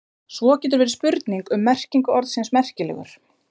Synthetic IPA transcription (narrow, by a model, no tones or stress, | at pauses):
svɔcɛːt̪̬ʏɾvɛːɾɪspʏɾt̪niŋkʏmːɛr̥ciŋkʏɔɾðsinsmɛr̥cɪlɛ̰ːɣʏ̰ɾ̥